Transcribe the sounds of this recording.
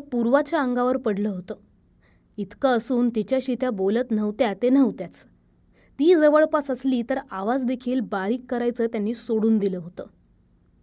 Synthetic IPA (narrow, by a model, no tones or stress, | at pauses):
əpuɾʋat͡ɕjaəŋɡaʋəɾpəɽləːɦot̪əː | it̪kaəsuːnt̪it͡ɕjaɕiːt̪jabolət̪n̤əʋt̪jat̪enəʋt̪jat͡s | t̪iːd͡zəʋəɭpasəsliːt̪əɾaʋad͡zd̪ekʰiːlbaɾiːkːəɾajt͡səːt̪janːiːsoɽuːnd̪iləːɦot̪əː